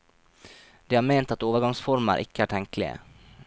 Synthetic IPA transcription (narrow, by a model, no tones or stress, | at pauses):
d̪̥iːhɑːɾmeːnt̪ɑt̪oːʋəɾɡɑŋsfɔɾmə̰ɾʔɪ̰kəæːʈʰɛŋklɪ̰ə̰